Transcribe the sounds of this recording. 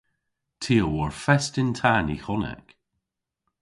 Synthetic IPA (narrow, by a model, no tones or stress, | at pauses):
tʰiːəwɔɹfɛstɪntʰanḭxɔnɛ̰k